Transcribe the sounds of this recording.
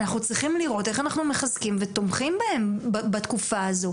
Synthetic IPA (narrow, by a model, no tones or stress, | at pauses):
naχnut͡sʁiχimliʁo̞t̪e̞χanaχnumeχazkimvet̪o̞mχimbahe̞mbbat̪kufaazo̞